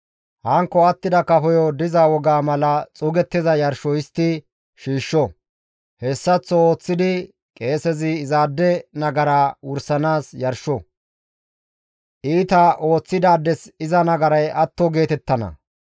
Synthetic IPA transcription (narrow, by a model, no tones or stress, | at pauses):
hɐŋkːɔɐt̪ːɪd̪ɐkɐfɔjɔd̪ɪzawɔɡaːmɐlɐt͡sʼʊɡɛt̪ːɪzɐjɐɾʃɔjɪst̪ːɪ | ʃiːʃːɔ | hɛsːɐt͡sːɔoːt͡sːɪd̪ɪ | kʼe̞ːsɛzɪːzaːd̪ːɛnɐɡɐɾaːwʊɾsɐnaːsjɐɾʃɔ | ʔiːt̪ɐʔo̞ːt͡sːɪd̪aːd̪ːɛsɪzɐnɐɡɐɾɐjʔɐt̪ːɔɡe̞ːt̪ɛt̪ːɐnɐ̰